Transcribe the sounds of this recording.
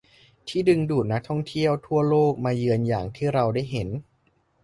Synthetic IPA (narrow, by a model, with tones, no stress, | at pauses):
t̪ʰiː˥˩dɯ˧ŋduː˨˩t̪̚na˦˥k̚t̪ʰɔ˥˩ŋt̪ʰi˥˩əwt̪ʰu˥˩əloː˥˩k̚maː˧jɯ˧ənjaː˨˩ŋt̪ʰiː˥˩ɾa˧wdaː˥˩jɦe˩˦n